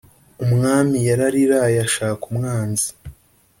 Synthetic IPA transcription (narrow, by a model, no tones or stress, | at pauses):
umŋaːmijaɾaɾiɾajaʃaːkumŋaːnzi̥